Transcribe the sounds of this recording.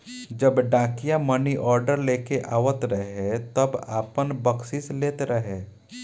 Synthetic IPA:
d͡ʒəbɖãːkijaməniʔɔːɾɖəɾleːkeʔaːʋət̪ɾəɦet̪əba̰ːpənbəksɪsleːt̪ɾəɦeː

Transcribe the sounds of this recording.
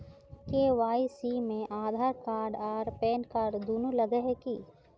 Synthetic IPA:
keːʋaːisiːmẽʔaːd̪ʱaːɾkaːɾɖaːɾpɛːnkaːɾɖd̪uːnulɐɡəɦekiː

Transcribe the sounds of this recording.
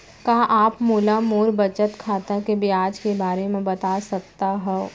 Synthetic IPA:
kaːʔaːpmuːlamoːɾbɐt͡ʃət̪kʰaːt̪akebiaːd͡ʒkebaːɾemẽbɐt̪aːsɐk̚t̪aɦɛo

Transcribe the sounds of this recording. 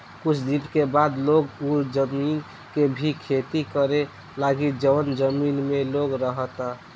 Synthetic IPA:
kut͡ʃʰd̪inkebad̪loɡud͡ʒəmin | kebʱikʰet̪ikəɾe | laɡid͡ʒəʋənd͡ʒəminmeloɡɾəɦət̪a

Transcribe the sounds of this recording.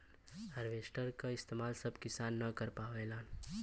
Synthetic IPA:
hɐɾʋeːsʈəɾkaɪst̪eːmaːlsɐbkɪsaːnːɐkɐɾpaːʋeːlaːn

